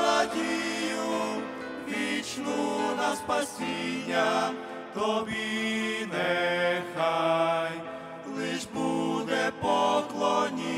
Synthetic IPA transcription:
ɾadʲiju | ʋʲit͡ʃnunɐspasʲinʲːɐ | t̪ɔbʲinɛxaj | klˠɪʒbud̪ɛpɔklˠɔnʲi

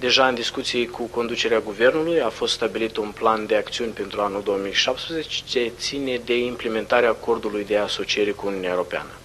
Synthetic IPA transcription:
d̪e̞ʒaɨnd̪iskut̪sijekʰuko̞nd̪ut͡ʃe̞ɾeaɡuve̞rnulujafo̞st̪st̪abilit̪unpland̪e̞akt̪siunʲpe̞nt̪ɾuanuld̪o̞womijʃap̚t̪spɾezet͡ʃet͡ʃe̞t̪sine̞d̪e̞imple̞me̞nt̪aɾeaːko̞rd̪ulujd̪e̞aso̞t͡ʃije̞ɾe̞kuuniuneaeoɾo̞pea̰nə

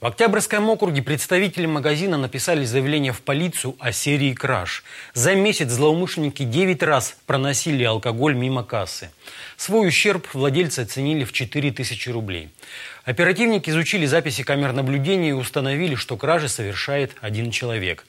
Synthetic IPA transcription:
vɐktʲabrʲskəjmo̞kɾʊɡʲɪpɾʲɪt̪st̪ɐvʲitʲɪlʲɪməɡɐzʲinənəpʲɪsalʲɪzəjɪvlʲenʲɪjəfpɐlʲit̪sɨjʊʔɐsʲeɾʲɪːkɾa̰ʂzɐmʲesʲɪt̪szlˠɐʊmɨʂlʲɪnʲɪkʲɪdʲevʲɪtʲraspɾənɐsʲilʲɪɐlˠkɐɡo̞lʲmʲiməkasːɨsvo̞jʊɕːe̞rpvlˠɐdʲelʲt̪sɨɐt̪sɨnʲilʲɪft͡ɕɪt̪ɨɾʲɪt̪ɨsʲɪt͡ɕɪɾʊblʲḛj | ɐpʲɪɾɐtʲivnʲɪkʲɪːzʊt͡ɕilʲɪzapʲɪsʲɪkamʲɪrnəblʲʉdʲenʲɪjəɪʊst̪ənɐvʲilʲɪʂt̪o̞kɾaʐɨsəvʲɪrʂajɪt̪ɐdʲint͡ɕɪlˠɐvʲe̞̰k

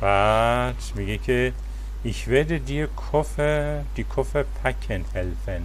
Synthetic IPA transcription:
batmiɡikʰe | ʔɪçvɛɐdədiːkʰɔfə | d̥ikʰɔfəpʰakʰənhɛlfən

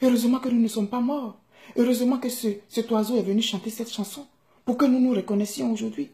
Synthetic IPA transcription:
øʁøzəmɑ̃kənunəsɔmpamɔʁ | øʁøzəmɑ̃kəsəsɛt̪wazoɛvənyʃɑ̃t̪esɛt̪ʃɑ̃sɔ̃ | puʁkənunuʁəkɔnɛsjɔ̃oʒuʁd̪ɥi

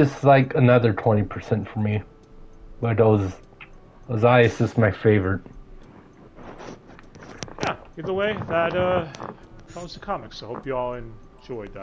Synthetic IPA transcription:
ʌslaɪkʰɨnʌðə˞tʰw̥ɛ̃ɾ̃ipʰə˞sɛ̃ntfə˞mi | b̥ʌɾəʌz | əzaɪɨsɪsmaɪfeɪvə˞ɨt̚ | jæɨ̃nðəweɪðətʌ̥ | ʌ̃sðəkʰɑmɨksohoʊpjɨɔlˠɛ̃n | d͡ʒɔɪðæ

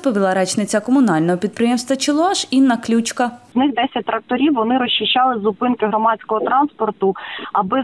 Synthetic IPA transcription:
pɔʋʲilˠɐɾɛt͡ʃnɪt͡sʲɐkɔmʊnɑlʲnɔɦɔpʲid̪̚pɾɪjɛmst̪ʋɐt͡ʃɪlˠɑʃinːɐklʲut͡ʃkɐznɪxd̪ɛsʲɐt̚ʲt̪ɾɐk̚t̪ɔɾʲiwʋɔnɪɾɔɕʲʃɪʃt͡ʃːɑlˠɪzʊpɪnkɪɦɾɔmɑt͡sʲkɔɦɔt̪ɾɑnspɔrt̪ʊɐbɪ

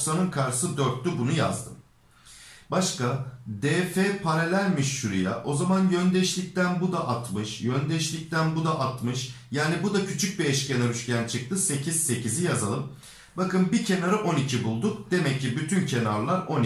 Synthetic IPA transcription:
sanɯnkʰaɾɯ̥sɯd̪øɾt̪ːybunuja̰zd̪ɯm | baʃkad̪eːfepʰaɾelʲæɾʲmiʃːuɾḭja̰ʔo̞zamanjønd̪ɛʃlʲic̚t̪ænbud̪aʔat̪mɯʃjønd̪ɛʃlʲic̚t̪ænbud̪aʔat̪mɯʃjaːnibud̪acʰyt͡ʃʰyc̚biɛʃcenaɾyʃcʲænt͡ʃʰɯk̚t̪ʰɯse̞cʰiz̥se̞cʰizijazalˠɯm | bakɯnbicʰe̞naɾɯʔo̞nicʰibulˠd̪uk̚d̪̥e̞mɛcːibyt̪ʰyncʰe̞naɾlˠaɾo̞ni

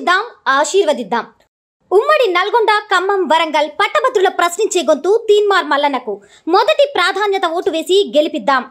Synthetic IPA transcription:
d̪ːaːmaːʃiːɾʋɐd̪id̪ːaːm | umːɐɽinɐlɐɡɔɳɖaːkɐmːɐmʋɐɾɐŋɡɐlpɐʈːɐbɐt̪ːɾulɐpɾɐsniɲt͡ʃeːɡont̪uːt̪iːnmaːɾmɐlːɐnɐku | mɔd̪ɐʈipɾaːd̪ʱaːnjɐt̪ɐʋoːʈuʋe̞ːsiɡelipid̪ːaːm

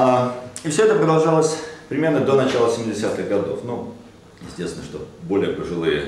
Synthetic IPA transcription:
aifsʲoɛt̪əpɾəd̪ɐlˠʐalˠəsʲpɾʲɪmʲernəd̪o̞nɐt͡ɕalˠəsʲɪmʲɪdʲɪsʲat̪ɨɣɡɐd̪o̞̰fnu | jɪ̰sʲt̪ʲest̪ʲɪnəʂt̪obo̞lʲɪjəpəʐɨlˠɨjə̰

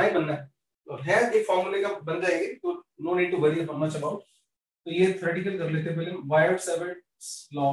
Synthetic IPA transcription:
aːibɐnːaɦɛ | ɔːɾɦɛ̃ːeːkfɔːɾmulekabɐnd͡ʒaːẽːɡet̪oːnoːniːɖ̚ʈuʋɐɾiɐfɔɾmat͡ʃɐbaʊʈ | t̪ojet̪ʰːʈikəlkɐɾleːt̪̬ebɪlɪ̃mʋaːɪɖsɛʋə̃ | slɔː

